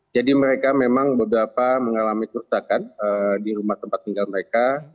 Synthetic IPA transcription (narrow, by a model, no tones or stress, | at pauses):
d͡ʒadiməɾekamemaŋbəbɾapaməŋalamikuɾusakanədiɾumaht̪əmpat̪̚ːiŋɡalməɾeka